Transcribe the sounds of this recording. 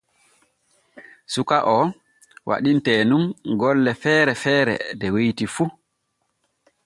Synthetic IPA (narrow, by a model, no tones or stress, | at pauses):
sukaʔɔ | wʔa̰ɗintɛːnumɡɔlːɛfɛːɾɛfɛːɾɛ̰dɛwejtifu